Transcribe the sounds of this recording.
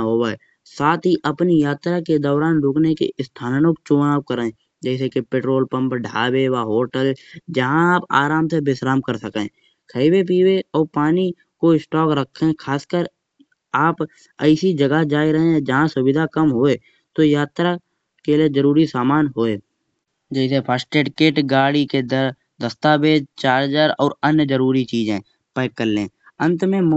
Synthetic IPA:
ɦoːaɛ̰ | saːt̪ɦiʔəpnijaːt̪ɾaked̪ɔːɾaːnɾʊːknekḛʔɪst̪ʰaːnnok̚t͡ʃoːnaːp̚kəɾẽ | d͡ʒɛːsekepeːʈɾoːlpə̃mpɖʱa̰ːbewaɦoːʈəld͡ʒəɦãaːpa̰ːɾaːmsebɪsɾaːmkəɾsəkẽ | kʰəiwep̬iːweɔːɾpaːni | koɪsʈɔːkɾəkʰːẽkʰaːskəɾ | aːp | əɪsid͡ʒəɡad͡ʒaːiɾəɦẽd͡ʒəɦãsʊbɪd̪ʱakəmɦoːe | t̪ojaːt̪ɾa | kelied͡ʒəɾuːɾisaːmaːnɦoːe | d͡ʒɛːsepʰaːsʈeːɖkeːʈɡaːɽiked̪əɾ | d̪əst̪aːbeːd͡ʒt͡ʃaːɾɦd͡ʒaɾɔːɾənjəd͡ʒəɾuːɾit͡ʃiːd͡ʒẽː | pəːkːəɾlẽː | ə̃nt̪mẽm

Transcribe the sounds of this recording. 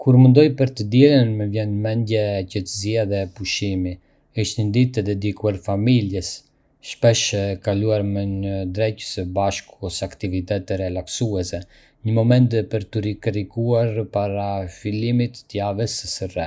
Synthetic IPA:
kʰuɾmənd̪ɔjpəɾt̪əd̪ɛɾənmɛvjɛnmɛnd̪jɛcɛt̪əziaðɛpuʃimi | iʃt̪nənd̪it̪əd̪ɛd̪ikuaɾfamiljɛs | ʃpɛʃɛkaluaɾmɛɲəd̪ɾɛcəsəbaʃkuɔsakt̪ivit̪ɛt̪ɛɾɛlaksuɛsɛ | ɲəmɔmɛnt̪pəɾt̪uɾikɾikuaɾpaɾafilimit̪ːəjavɛssərɛ

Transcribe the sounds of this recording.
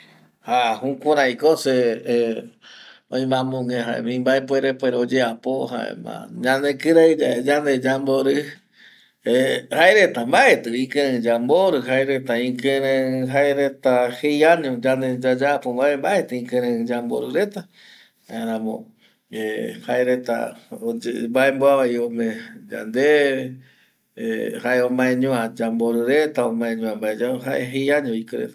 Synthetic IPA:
hahũkʷuɾ̃ãĩkose | õj̃mãmũŋẽɦa̰ḛmĩmbaep̬weɾepweɾod͡ʒeapoɦa̰ḛmã̰ɲãnekɨɾad͡ʒaed͡ʒand̪ed͡ʒamboɾɨ | ehaeɾet̪ambaʔet̪ɨĩkẽɨ̃d͡ʒamboɾɨɦaeɾet̪aĩkẽɾẽɨɦaeɾet̪ahejaɲõd͡ʒand̪ed͡ʒad͡ʒapomaembaʔet̪ɨĩkẽɾ̃ẽɨ̃d͡ʒambo̰ɾɨɾet̪a | ɾ̃ãmõ̰ | ehaeɾet̪a̰od͡ʒmbaembwaβaiomẽd͡ʒa̰nd̪eβe | ḛhaeomãẽɲõad͡ʒamboɾɨɾet̪aomãẽɲõãmbaed͡ʒaɦaeɦejaɲõikɨɾḛt̪a

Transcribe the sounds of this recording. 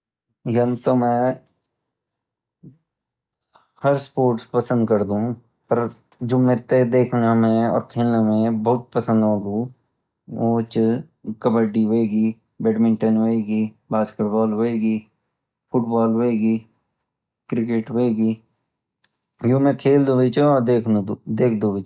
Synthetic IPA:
jɐnt̪omɛ̃ | hɐɾspoːɾʈspəsə̃nd̪kəɾd̪ũ | pəɾ | d͡ʒoːmeɾt̪ed̪eːkʰnamẽɔ̰ːɾkʰelnemẽbɐɦʊt̪̚pəsə̃nd̪ɦoːɡũː | oːt͡ʃ | kɐbəɖiɦoeɡiː | bɛːɖmɪ̃ɳʈənɦoːeːɡiː | baːskeʈbɔːlɦoeːɡi | fʊʈbɔːlɦoeːɡiː | kɾɪkeːʈɦoeɡiː | jõːmẽkʰeːld̪obɪt͡ʃeɔːɾd̪eːk̪ʰd̪eːkʰd̪obɪt͡ʃ

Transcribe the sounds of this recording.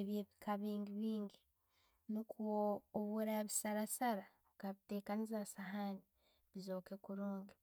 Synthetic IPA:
eβjeβikʰaβiːŋɡiβiːŋɡi | nukuoːβuɾaβisaɾasaɾa | kaβite̞ːkanizasaɦani | βizo̞ːkekuɾuːŋɡe

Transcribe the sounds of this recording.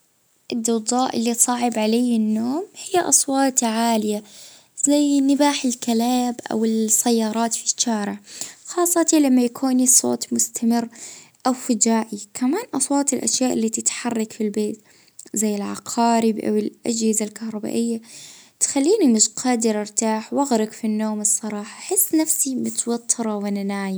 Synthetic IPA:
ʔɪd̪ːʊd̪ˤɑːʔɪlːit̪sˤɑːʕɪbʕalajːɪnːoːmhɪjːaʔɑsˤwɑːt̪ʕaːlɪja | z̥ajnɪbaːħɪlkalaːbʔa̰wɪsajːɑːɾˤɑːt̪fi̥ʃːaːɾɪʕxɑːsˤːɑt̪ilamːajakʰuːnisˤo̰ːt̪ˤmʊst̪ʰamɪrːʔawfɪd͡ʒaːʔikʰamaːnʔɑsˤwɑːt̪ɪlʔa̰ʃjaːʔɪlːat̪ɪt̪ħɑrˤːɑkfilbeːt̪ | zajːɪlʕa̰qʰɑːɾibʔa̰wɪlʔa̰d͡ʒhɪzalkahɾˤɑba̰ːʔɪjːat̪xalːiːnimɪʃqʰɑːd̪ɪɾɪɾt̪aːħwʔaɣɾɪkfinːoːmɨsˤːɑɾˤɑːħɑ̥ħɪsːnafsimɪt̪wat̪ʰːɨɾˤɑwɪnɪnaːj

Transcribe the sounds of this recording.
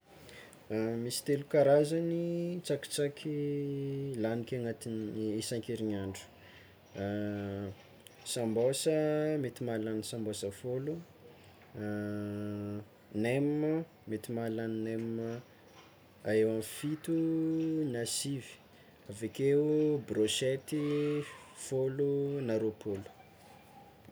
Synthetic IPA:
misi̥t̪elukaɾazanit͡saki̥t͡sakʲʰi | lanikʲaŋat̪inesaŋkeɾiɲaɳɖ͡ʐu̥ | sambosəmet̪imalanisãmbosafolu | nem | met̪imalaninem | aewamfit̪unasivi̥ | avekeubroʃet̪i | folunaɾopolu̥

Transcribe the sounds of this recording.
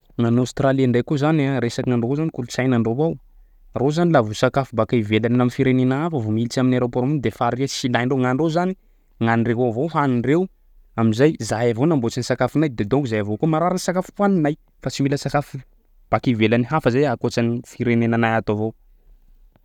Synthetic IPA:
nanost̪raliaɳɖ͡ʐejkuzanaɾesakinaɳɖ͡ʐovozanikulut͡sajnaɳɖ͡ʐovow | rozanilavusakafubakaivelaninamifiɾenenaafəvomilit͡ʃaminaɾopoɾmund̪efaɾiasilajɳɖ͡ʐewŋaɳɖ͡ʐozani | ŋanireɦavowɦaniɳrew | amizajzajavonambot͡sinisakafinajd̪ed̪okuzajavokumaɾaɾansakafu̥pwaninaj | fat͡similəsakafu | b̥akivelaniɦafəzajakot͡sanifiɾenenanajat̪ovow

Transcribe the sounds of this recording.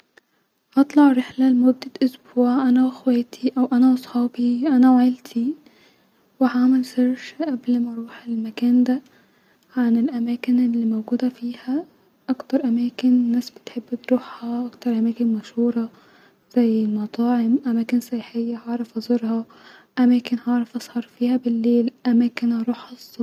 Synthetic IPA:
ʔɑt̪ˤlɑʕɾɪħlælemʊd̪ːæʔʊsbuːʕʔænæwexwæːt̪ʰiʔæwʔænæʔɑsˤħɑːbiʔænæwaʕɪlt̪ʰi | wehamelseɾʃʔæblmæɑɾˤuːħelmækæːnd̪æ | ʕanɪlʔæmæːkɪnelːiːmowɡuːd̪æfiːhæ | ʔɑkt̪ɑɾˤʔæmæːkɪnnːæːsbɪ̥t̪ħebːt̪ɾuːħhɑʔɑkt̪ɑɾˤʔæmæːkɪnmæʃhuːɾˤɑ | z̥æjːlmɑt̪ˤɑːʕemʔæmæːkɪnsɑjħejːæhɑʕɾˤɑfʔɑzˤɑɾhɑ | ʔæmæːkɪnhɑʕɾˤɑfʔɑsˤhɑɾˤfiːhæbɪlːeːlʔæmæːkɪnhɑɾˤuːħɑsˤ

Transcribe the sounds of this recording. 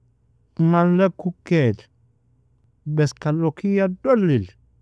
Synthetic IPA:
ŋalːɛkːukɛt | bɛskalokijadolːil

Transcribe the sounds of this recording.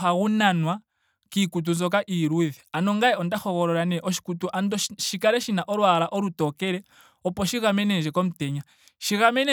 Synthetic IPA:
aɣunanwa | kikut̬unzɔk̬aʔiɾuðianoŋɡajɛɔndaxoɣɔɾɔɾanɛʔɔʃi̥kutuʔandɔʃikaɾɛʃinaʔɔɾwaɾaʔoɾutɔkɛɾɛ | ɔpɔʃiɣamɛnɛʒɛkomuteɲa | ʃiɣamɛne

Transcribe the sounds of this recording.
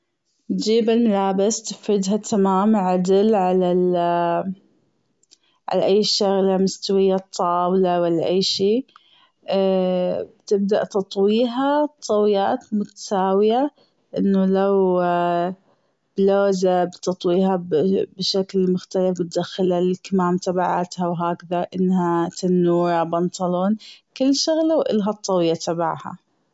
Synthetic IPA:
d͡ʒiːbɪlmalaːbɪst̪ɪfɾɪd̪ɦat̪ʰamaːmʕad̪ɪlʕalal | ʕa̰laʔajːʃaɣlamʊst̪awɪjːat̪ˤʰːɑːwlawɪlːaʔajːʃiː | bt̪ɪb̚d̪a̰ʔt̪ɑt̪ˤwiːɦat̪ˤːɑwɪjaːt̪mʊt̪ḁsaːwɪja | ʔɪnːʊlaw | b̥loːzabt̪ɑt̪ˤwiːɦabbɪʃaklmʊxt̪alɪfbɪt̪̚d̪axːɪlalkamaːmt̪abaʕat̪hawɦaːkðaʔɪnːhat̪anːuːɾˤɑbɑnt̪ɑloːnkɪlːʃʊɣlawʔɪ̰lɦat̪ˤːɑwjat̪aba̰ʕha̰

